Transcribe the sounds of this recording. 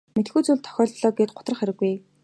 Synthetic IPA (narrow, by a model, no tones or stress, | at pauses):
met̪xuːt͡suɮt̪ʰœ̥xʲɔːɮɮɔːɡeːt̪̚ɢʊ̥t̪rə̆χæɾɘ̆ɡuj